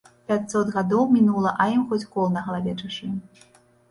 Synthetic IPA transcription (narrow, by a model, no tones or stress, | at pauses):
pʲat̪ʲsɔt̪ɣad̪ɔwmʲinulˠɐʔɐimxɔt͡sʲkɔlˠnɐɣɐlˠavʲɛt͡ʂuɕʲi